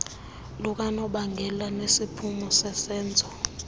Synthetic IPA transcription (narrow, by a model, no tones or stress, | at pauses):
luk̬ʼanɔɓaŋɡʱɛlanesipʰumɔsɛsɛːnd͡zʱɔ